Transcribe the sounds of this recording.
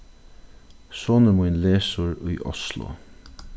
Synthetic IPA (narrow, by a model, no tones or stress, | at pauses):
soːnəmʊjnleːsʊɹʊjʔɔ̰slʊ̰